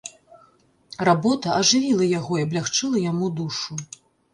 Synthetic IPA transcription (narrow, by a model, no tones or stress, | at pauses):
rabɔt̪ɐɐʐɨvʲilˠɐjaɣɔiɐblʲaxt͡ʂɨlˠɐjamud̪uʂu